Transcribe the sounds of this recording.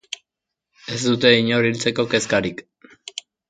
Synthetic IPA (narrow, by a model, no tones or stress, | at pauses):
e̞sd̪ut̪e̞iɲo̞ɾilt͡se̞ko̞ke̞skaɾik